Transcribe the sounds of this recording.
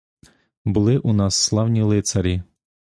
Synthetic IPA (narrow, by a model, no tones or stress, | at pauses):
bʊlˠɪʔunɑsːlˠɑwnʲilˠɪt̪sɐɾʲi